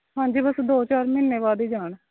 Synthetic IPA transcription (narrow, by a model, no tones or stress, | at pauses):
ɦãːɲd͡ʒiːbəsd̪oːt͡ʃaːɾmɪnːeːʋaːd̪iːd͡ʒaːɳ